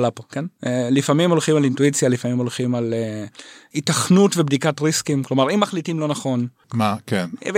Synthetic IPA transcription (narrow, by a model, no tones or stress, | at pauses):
lapokenelifamimo̞lχimalintuit͡sjalifamimo̞lχimale | itaχnutvebdikatʁiskimklo̞maʁimːaχlitimlo̞naχo̞n | makenv